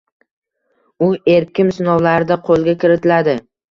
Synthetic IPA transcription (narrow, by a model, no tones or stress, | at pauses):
ʊe̞ɾkʲɪmsɪnɒwlaɾɪd̪aqʰolˠɡʲakʲɪɾɪt̪ʰɪlad̪ɪ